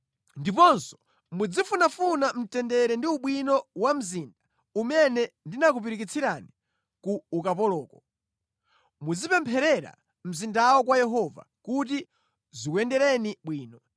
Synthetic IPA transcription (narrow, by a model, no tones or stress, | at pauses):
ndipɔnsɔ̥ | mud͡zifunafunam̩tɛndɛɾɛndiuɓwinɔwam̩zindḁ | umɛnɛndinak̬upiɾikit͡sʰiɾani | kuːkapɔlɔːkɔ | mud͡zipɛmpʰɛɾɛɾa̰ | m̩zindawɔk̬wajɛɦɔva̰ | kuti | zikwɛndɛɾɛniɓwiːnɔ